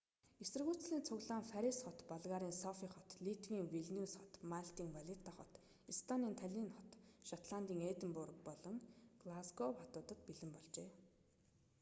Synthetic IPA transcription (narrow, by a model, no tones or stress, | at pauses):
esɘ̆rɣuːt͡sɮiːnt͡sʰʊɣɮaːnfæɾisχɔt̪paɮʁaːɾiːnsɔfiːχɔt̪ɮit̪ɡiːŋwiɮniuːsχɔt̪maɬt̪iːŋwaɮʲit̪ʰaχɔ̰t̪ | ist̪ʰaniːnt̪ʰæɮʲiːnχɔt̪ʃat̪ɮan̥t̪iːŋeːt̪ə̆mpʊrkpɔɮɞ̆ŋɡ̥lasɡɔpɔt̪ʊːt̪ə̆t̪̚piɮɘ̆mpɔɮt͡ɕeː